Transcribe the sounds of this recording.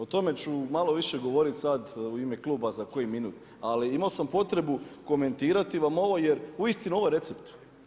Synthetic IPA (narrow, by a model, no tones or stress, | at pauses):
ot̪o̞me̞t͡ɕumalo̞ʋiʃe̞ɡo̞ʋo̞ɾit̪sad̪uime̞klˠuːbazako̞jiminuːt̪ | aliimaosampo̞t̪ɾe̞buko̞me̞nt̪iːɾat̪iʋamo̞ʋo̞jeɾuist̪inuoʋojɾe̞t̪sept̪